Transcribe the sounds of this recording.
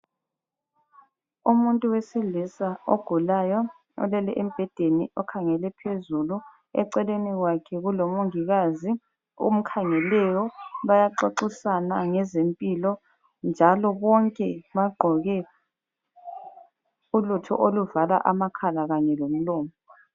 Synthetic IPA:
umuntʼuwesilisaoɡ̥ʱulajɔ | ɔ̰lɛlɛʔem̩b̥ʱɛd̥ʱeniɔkʰaŋɛlɛpʰezulu | ɛ̰ǀɛleniɣwakʰɛɣulomuŋiɣazi | ṵm̩kʰaŋɛlɛjɔβajaǃoǃisanaŋɛzempʼilɔ | nd͡ʒʱalɔβɔŋkʼɛβaɡ͡ǃʱɔɣɛ | ulutʰɔ̰ʔoluvala̰ʔamakʰalaɣaɲɛlom̩lɔːmɔ

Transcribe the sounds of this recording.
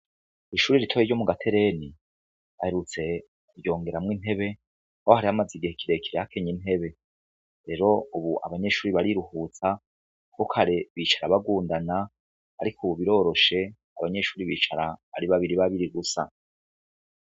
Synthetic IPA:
iʃuːɾiɾitʰojiɾɟo̞muɡatʰe̞ɾe̞ni | βahe̞ɾut͡se̞ | kubjo̞ːŋɡe̞ɾamŋiːn̥e̞βe̞ | aohaɾihamaziɡihekʰiɾe̞kʰiɾehakʰeɲin̥he̞βe̞ | ɾe̞ɾo̞uβuʔa̰βaɲe̞ʃuːɾiβaɾiɾuhuːt͡sa | kokʰaɾeβit͡ʃaɾaβaɡuːndana̰ː | ɾikuβuβiɾo̞ːɾo̞ʃe̞ | aβaɲe̞ʃuːɾiβiːt͡ʃaɾaβa̰ɾiβaβiɾiβaβiɾiɡusa̰

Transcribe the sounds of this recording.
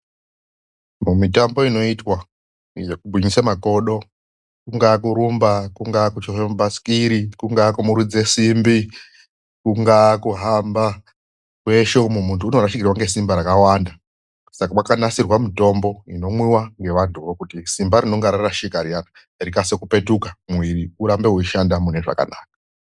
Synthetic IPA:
mumitambo̞ino̞itwa | jekubʱwiɲisamako̞ɗo̞ | kuŋɡak̬uɾumbakuŋɡakut͡ʃoɦembaskiɾikuŋɡakumuɾud͡ze̞simbi | kuŋɡakuɦamba | kwe̞ʃoumumuntʰuːno̞ɾaʃikirwaŋɡe̞simbaɾakawaːnda | sakamwakanasirwamito̞mbo̞ino̞mwiwaŋɡe̞ʋantʰuʋokutisimbaɾino̞ŋɡaɾarraʃikaɾijana | rikasekupe̞tukamwiriuɾambe̞ɦuiʃandamune̞ʐa̰ka̰naːk̚a

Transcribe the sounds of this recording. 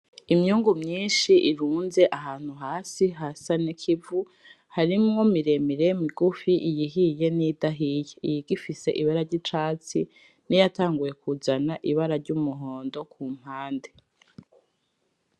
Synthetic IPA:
imɲuːŋɡumɲiːnʃiʔiɾuːnze̞ʔaɦaːn̥huɦaːsiɦasanekʰivu | haɾimŋo̞miɾe̞miɾemiɡufiʔijiɦije̞nidaɦijeijiɡifise̞̰ʔiβaɾaɾɟit͡ʃaːt͡si | nijataːŋɡuje̞kuzanaʔiβaɾaɾɟuːmuɦo̞ːndo̞kʰuːm̥haːnde

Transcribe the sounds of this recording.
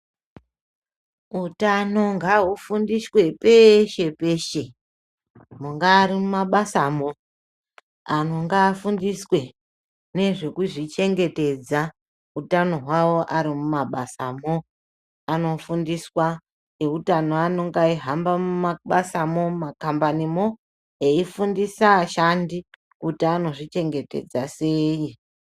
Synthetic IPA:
utano̞ŋɡaɦufundiswe̞pe̞ʃe̞pe̞ʃe̞ | muŋɡaːɾimumaɓasamo̞ | ano̞ŋɡaːfundiswe̞ | ne̞ʐe̞kuʐit͡ʃe̞ŋɡe̞te̞d͡za | utano̞ɦwawo̞ʔaɾimumaɓasamo | ano̞fundiswa | e̞utano̞ano̞ŋɡaiɦambamumaɓasamo̞makambanimo̞ | eifundisaʃandi | kutiano̞ʐit͡ʃe̞ŋɡe̞te̞̰d͡zase̞ːji

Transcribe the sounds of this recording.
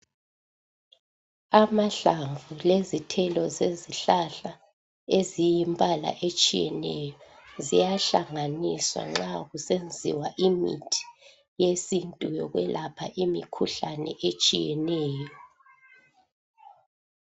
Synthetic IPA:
amaɬaɱvulezitʰɛlɔzeziɬaɬa | ezijimbʱala̰ʔet͡ʃʼijɛ̰nɛjɔzijaɬaŋaniswa̰ŋ͡ǁaɣusend͡zʱḭwaʔimḭtʰi̥ | jesintʼujɔɣwɛlʔapʰaʔimikʰuɬanɛ̰ʔet͡ʃʼijɛnɛːjɔ

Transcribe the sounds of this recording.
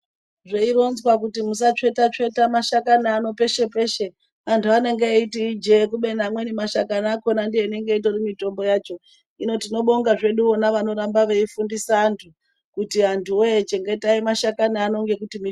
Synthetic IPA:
ʐeiɾo̞nzwak̬utimus̬at͡ʂe̞itat͡ʂe̞itamaʃakanaːno̞pe̞ʃe̞pe̞ʃe̞ | antʰuaneŋɡeitiid͡ʒekuɓe̞namwe̞nimaʃakanako̞nandijeine̞ŋɡeitorimito̞mbo̞jaːt͡ʃo̞ | ino̞tino̞ɓo̞ŋɡaʐe̞ɗuonaʋano̞ɾambaʋe̞ifundisaːntʰu | kutiantʰuoet͡ʃe̞ŋɡe̞taimaʃakanaːno̞ŋɡe̞kutimi

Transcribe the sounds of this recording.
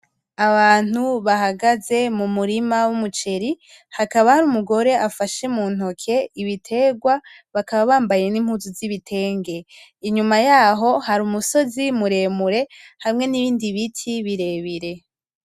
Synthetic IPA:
aβaːn̥uβahaɡaze̞mumuɾimawumut͡ʃe̞ɾi | hakaβahaɾuːmuɡo̞ɾe̞ʔafaʃemuːn̥ho̞kʰe̞iβitʰe̞ɡwa | βakaβaβaːmbaje̞nimhuzuziβitʰe̞ːŋɡe̞iɲumajaːɦo̞haɾuːmuso̞zimuɾe̞ːmuɾe̞hamŋe̞niβiːndiβitʰiβiɾe̞βiɾe̞

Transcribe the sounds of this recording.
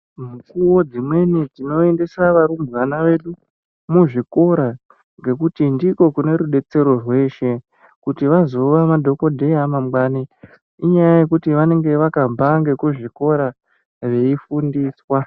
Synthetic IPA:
mukuwo̞d͡zimwe̞nid͡zino̞e̞nde̞saʋaɾumbʋanaʋe̞ɗu | muʐiko̞ɾa | ŋɡe̞kutindiko̞kune̞ɾuɗe̞t͡se̞ɾo̞rwe̞ːʃe̞ | kutiʋazo̞ʋamadʱo̞ko̞dʱe̞jamamɡaːni | iɲajaje̞kutiʋane̞ŋɡe̞ʋakabʱaŋɡe̞kuʐiko̞ɾa | ʋe̞ifundiːswa

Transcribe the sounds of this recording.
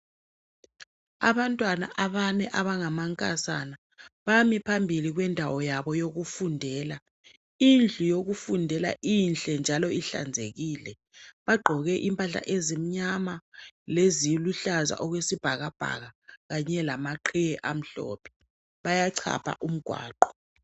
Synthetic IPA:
a̰βantʼwana̰ʔaβanɛʔaβaŋamaŋkʼa̰sana | βamipʰambʱiliɣwɛndʱawɔjaβɔjoɣufundʱɛːla | ind͡ɮʱujoɣufundʱɛla̰ʔinɬɛnd͡ʒʱalɔiɬa̰nd͡zʱeɣiːlɛ | βaɡ͡ǃʱɔɣɛʔimpʼaɬa̰ʔezim̩ɲamalezijiluɬaza̰ʔɔɣwesib̥ʱaɣab̥ʱa̰ɣaɣaɲɛlamaǃʰijɛʔam̩ɬɔ̰ːpʰɛ̥ | βajaǀʰa̰pʰa̰ʔum̩ɡ̥ʱwa̰ːǃɔ̥

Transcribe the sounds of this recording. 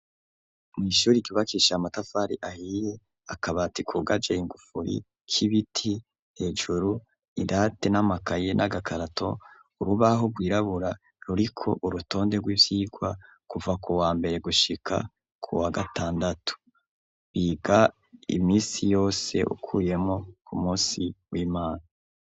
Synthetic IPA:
mŋiːʃuːɾikiβakiʃamatafaɾiʔahiːje̞ | akaβatikʰuɡad͡ʒeiŋɡufuɾḭ | kʰiβitʰi | he̞ːd͡ʒuɾu | idate̞namakaje̞nʔaɡakʰaɾatʰo̞ | uɾuβaɦo̞ɡwiːɾaβuɾa | ɾuɾikʰo̞̰ʔuɾuto̞ːndeɡwiːvjiːɡwa | kuvakuwaːmbe̞ɾe̞ɡuʃikʰa̰ | kʰuwaɡataːndatʰu̥ | βiɡa | ḭmiːsijo̞ːse̞̰ʔṵkʰuːje̞mo̞kʰumuːsiwiːmaːna

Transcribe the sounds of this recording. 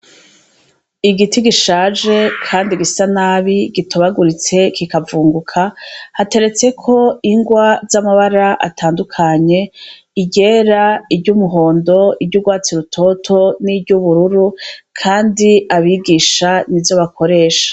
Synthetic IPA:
iɡitiɡiʃaːd͡ʒe̞kʰaːndiɡisanaːβiɡitoβaɡuɾit͡se̞kikavuːŋɡukʰahate̞ɾe̞t͡sekʰo̞iŋɡwazamaβaɾaʔa̰tʰaːndukʰaɲe̞ | iɟe̞ːɾaibɟuːmuɦo̞ːndo̞ibɟuɡwaːt͡siɾutʰo̞tʰo̞nibɟuβuɾuɾukʰaːndiaβiɡiːʃanivzo̞βakʰo̞ɾe̞ːʃḁ

